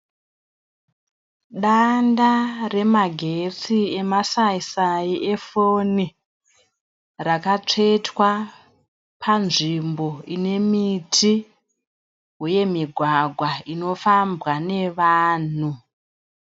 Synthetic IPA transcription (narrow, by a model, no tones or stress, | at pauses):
ɗandare̞maɡʱe̞t͡sie̞masaisaiʔe̞foni | rakat͡ʂe̞twa | pʰanʐimbo̞ine̞mitʰi | ɦuje̞miɡʱwaɡʱwaino̞fambwane̞ʋaːn̤u